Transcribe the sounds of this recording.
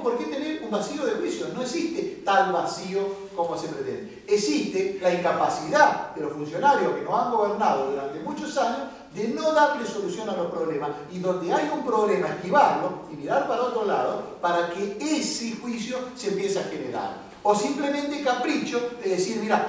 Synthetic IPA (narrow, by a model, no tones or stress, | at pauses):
poɾket̪eneɾumbasio̞ð̞exwisjono̞eksist̪et̪alβasio | ko̞mosepɾet̪ḛ̃nd̪eːksist̪elaiŋkapasiðaðelosfunsjo̞naɾjohkenosaŋɡo̞βeɾnað̞oðuɾant̪emut͡ʃosaɲoz | ðeno̞ðaɾleso̞lusjo̞nalohpɾo̞βlemas | iðo̞nd̪eajumpɾo̞βlemaehkiβaɾloimiɾaɾpaɾaot̪ɾolaðopaɾakeesexwisjo̞sempjeseaxeneɾa̰ɾ | osimplemẽnt̪ekapɾit͡ʃo̞ðeðesiɾmiɾa